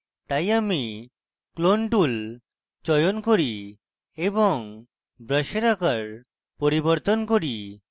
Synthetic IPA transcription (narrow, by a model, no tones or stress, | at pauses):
t̪ajami | klonʈul | t͡ʃɔjonkoɾi | ebɔŋ | bɾəʃeɾakaɾ | poɾiboɔɾt̪onkoɾi